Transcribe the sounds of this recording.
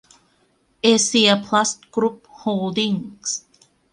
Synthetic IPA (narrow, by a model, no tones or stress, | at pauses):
esiəpʰlastɡ̥ɹup̚holdĩŋs